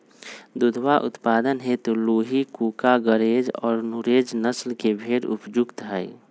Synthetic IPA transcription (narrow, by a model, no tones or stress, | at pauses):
d̪ud̪ʱʋaʔʊ̰t̪paːd̪ənɦet̪oloːɦikuːkaɡəɾed͡ʒɔ̰ːɾnuɾed͡ʒnəslkebʱeːɽʊ̰pd͡ʒʊɡt̪ɦɛj